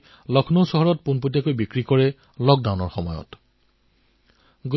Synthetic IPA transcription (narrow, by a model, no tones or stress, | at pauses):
lɔkʰnowsɔɦɔɹɔt̚punputjakojbikɹikɔɹɛ | lɔk̚dawnɔɹxɔmɔ̰jɔ̰t | ɡ